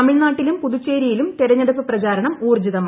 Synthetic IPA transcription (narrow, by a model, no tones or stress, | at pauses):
ɐmiɭnaːʈːilumpuðut͡ɕːeːɾijilumt̪iɾɐɲːɐɽupːɨprɐɣaːɾɐɳɐmuːrd͡ʑuðɐmː